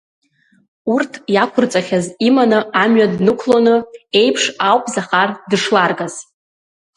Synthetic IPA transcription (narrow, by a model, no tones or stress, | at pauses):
urtʰjakʷʰʊrt͡sʼaχʲazimanɨamɥadnɨkʷʰlonɨe̞jpʰʂawpʼzaχardɨʂlarɡaz̥